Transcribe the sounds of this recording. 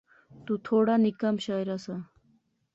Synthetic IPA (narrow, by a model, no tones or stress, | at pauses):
t̪ut̪ʰoːɽanikamɕaːjɾasa